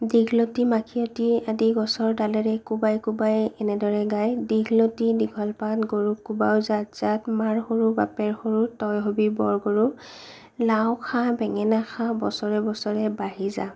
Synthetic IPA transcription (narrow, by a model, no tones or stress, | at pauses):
diɡʱlotimakʰiɔtiadiɡɔsɔɹdalɛɹɛkubajkubajɛnɛdɔɹɛɡajdiɡlotidiɡʱɔlpatɡoɹukubawzatz̥atmaɹxoɹubapɛɹxoɹutɔjɦobibɔɹɡoɹu | lawkʰãbɛŋɛnaxʰãbɔsɔɹɛbɔsɔɹɛbaɦiza̰